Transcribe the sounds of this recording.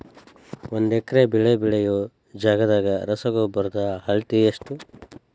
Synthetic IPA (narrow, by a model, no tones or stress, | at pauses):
ond̪ɛkːɐɾebiɭebiɭejoː | d͡ʒaːɡɐd̪aːɡɐɾɐsɐɡoːbɐɾd̪ɐhɐɭt̪ijɐʂʈu